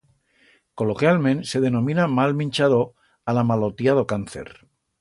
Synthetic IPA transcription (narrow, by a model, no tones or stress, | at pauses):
ko̞lokjalmẽnseðe̞nõmĩnamalmĩnt͡ʃaðo | alamalot̪jaðokanθḛɾ